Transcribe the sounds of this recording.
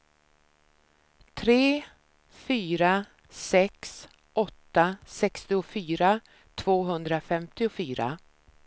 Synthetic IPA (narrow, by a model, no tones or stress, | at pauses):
t̪ʰɾeː | fyːɾa | sɛks | ʔɔt̪ːasɛkst̪ɪʊfyːɾa | t̪ʰv̥oːɦɵnd̪ɾafɛmt̪ɪʊfyːɾa̰